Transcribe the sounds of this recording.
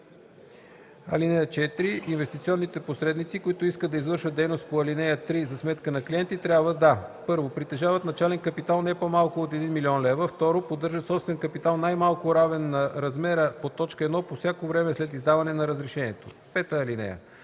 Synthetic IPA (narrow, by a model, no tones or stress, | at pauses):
ɐ̰linɛjət͡ʃɛt̪ɾiinvɛst̪it̪siɔnːit̪ɛposɾɛd̪nit̪sikoit̪oiskəd̪d̪ɐizvɤɾʃvət̪d̪ɛjnost̪poɐlinɛjət̪ɾizɐsmɛt̪kənɐkliɛnt̪it̪ɾʲjabvəd̪apɤɾvopɾit̪ɛʒavət̪nɐt͡ʃalɛnkəpit̪alˠnɛpomalˠkʊot̪ɛd̪inmiliɔnlɛvəft̪ɔɾopod̪ːɤɾʒət̪sɔpst̪vɛnkəpit̪alˠnajmalˠkʊɾavɛnːɐɾɐzmɛɾəpot̪ɔt͡ʃkəɛd̪nɔpofsʲjakovɾɛmɛslɛt̪izd̪avɐnɛnɐɾəzɾɛʃɛniɛt̪o̰pɛt̪əːlinɛ̰jə̰